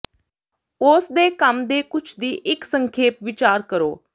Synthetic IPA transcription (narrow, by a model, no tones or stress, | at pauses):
ʊsd̪eːkəmd̪eːkʊt͡ʃʰd̪iːʔɪksəŋkʰeːpʋɪt͡ʃaːɾkəɾoː